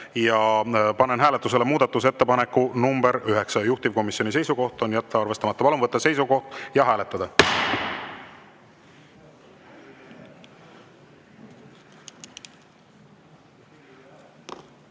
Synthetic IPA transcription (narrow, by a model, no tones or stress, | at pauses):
jɑpɑnenɦæːlet̪ːˑuse̞lemuːd̪̥ɑt̪ːus̬e̞t̪ːe̞pɑnekːunumbeɾyɦe̞ksɑjuht̪ivko̞misːjo̞nise̞jsuko̞ht̪ˑo̞njæt̪ːɑɑrve̞st̪ɑmɑt̪ːɑpɑlunvɤt̪ˑːese̞jsuko̞ht̪jɑɦæːle̞t̪ˑːɑd̪ɑ